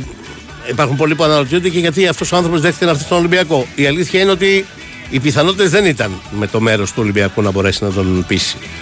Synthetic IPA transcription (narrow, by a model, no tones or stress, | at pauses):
ipɐɾxumpo̞lip̬uɐnɐnot̪iond̪ceʝɐt̪̬iɐft̪o̞soɐnθɾopozðekθecenɐɾθist̪oolimbiɐko̞iɐliθçɐineo̞t̪iː | piθɐno̞t̪it̪ezðe̞nit̪ɐnme̞t̪o̞me̞ɾo̞st̪uo̞limbiɐkunɐbo̞ɾe̞sinɐd̪o̞npisi̥